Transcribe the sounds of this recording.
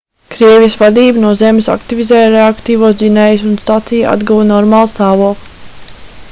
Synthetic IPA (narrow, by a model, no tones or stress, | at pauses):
kɾiɛvijisvad̪iːbnuɔzemɪsa̰kt̪ivʲizɛːjɾeakt̪iːvuɔs̬zinɛːjsunst̪at̪sija̰d̪ɡuvnɔɾmaːlˠst̪aːvuɔklˠ